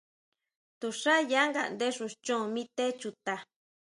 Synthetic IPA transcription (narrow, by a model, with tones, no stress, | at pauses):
t̪u˨ʂa˦ja˦ŋɡa̰˨nd̪e˦ʂu˧ʃt͡ʃõ˦˨mĩ˦t̪e˦t͡ʃu˨t̪a˨